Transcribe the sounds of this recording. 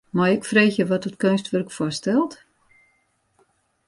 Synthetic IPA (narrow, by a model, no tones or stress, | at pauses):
majɪkfreːxjəʋɔtətkønstʋørkfɔstɛlˠt